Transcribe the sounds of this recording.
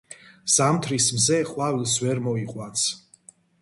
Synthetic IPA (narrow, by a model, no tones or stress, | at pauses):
z̥amt̪ʰɾismzɛχʼwavilˠsvɛɾmɔiqʼwant̪sʰ